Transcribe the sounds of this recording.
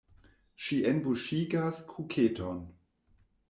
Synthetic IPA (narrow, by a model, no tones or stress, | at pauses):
ʃiʔenbuʃiːɡaskʰukʰetʰon